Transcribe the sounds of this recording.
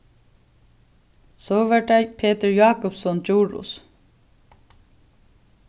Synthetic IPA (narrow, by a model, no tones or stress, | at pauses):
soːʋæʈæɪpʰeːt̪əɹjɑːkʊpsɔnd͡ʒuːɹʊ̰s